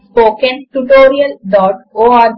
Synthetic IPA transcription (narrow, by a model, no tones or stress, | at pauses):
poːkẽnʈuʈoːɾiəlɖɔːʈoːa